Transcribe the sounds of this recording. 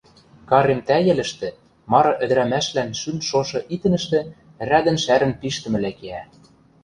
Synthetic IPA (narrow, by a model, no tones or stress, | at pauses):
kɑɾemt̪æjɘ̆lɘ̆ʃt̪ĕ | mɑɾɤ̆ʔɘ̆d̪ɘ̆ɾæmæʃlænʃynʃoʃɤ̆ʔit̪ɘ̆nɘ̆ʃt̪ĕ | ræd̪ɘ̆nʃæɾə̆npiʃt̪ɘ̆mɘ̆lækeæ